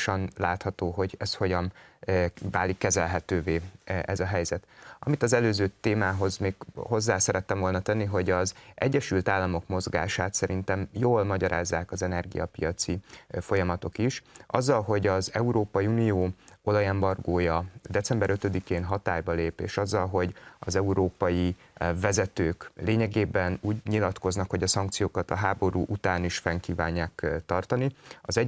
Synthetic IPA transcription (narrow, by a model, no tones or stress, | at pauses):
ʃɒnlaːt̪hɒt̪oːɦo̞ɟɛst̪ho̞ɟɒn | vaːlikːɛzɛlɦɛt̪øːveːʔɛzɒɦɛjzɛt̪ɒ̰mit̪ɒzɛløːzøːt̪eːmaːɦo̞zmeːkho̞zːaːsɛɾɛt̪ːɛɱvo̞lnɒt̪ɛnːiɦo̞ɟɒzʔɛ̰ɟːɛʃylt̪aːlːɒmo̞kmo̞zɡa̰ːʃaːt̪sɛɾint̪ɛmjoːlmɒɟɒɾʔa̰ːzːaːkɒzɛnɛrɡḭjɒ̰pḭjɒt̪sifo̞jɒmɒt̪o̞kiʃʔɒ̰zːɒlɦo̞ɟɒzɛuɾoːpɒjiunijoːo̞lɒjɛmbɒrɡoːjɒd̪ɛt̪sɛmbɛɾøt̪ø̞d̪ikeːnɦɒt̪aːjbɒleːpḛːʃɒzːɒlɦo̞ɟɒzɛuɾoːpɒji | vɛzɛt̪øːkleːɲɛɡeːbɛnuːɟɲilɒt̪ko̞znɒkho̞ɟɒsɒŋk̚t̪sijoːkɒt̪ɒɦaːbo̞ɾuːʔut̪aːniʃfɛŋkiːvaːɲːaːkt̪ɒrt̪ɒniɒzɛ